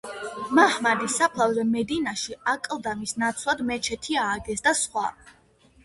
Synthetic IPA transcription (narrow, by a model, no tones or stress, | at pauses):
mahmad̪isapʰlˠavzɛmɛd̪inaʃiakʼlˠd̪amisnat̪sʰlˠad̪mɛt͡ʃʰɛt̪ʰiaːɡɛsd̪asχwa̰